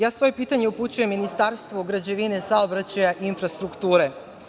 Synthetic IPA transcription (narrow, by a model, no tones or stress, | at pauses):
jaːsʋo̞je̞piːt̪aɲe̞uput͡ɕuje̞mːinist̪aɾst̪ʋoɡɾad͡ʑe̞ʋine̞saobɾat͡ɕajaʔinfɾast̪ɾukt̪uːɾe̞